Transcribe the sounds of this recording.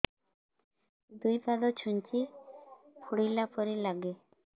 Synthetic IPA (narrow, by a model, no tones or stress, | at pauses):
d̪ujpad̪ot͡ʃʰunt͡ʃi | pʰuɽilapɔɾilaɡe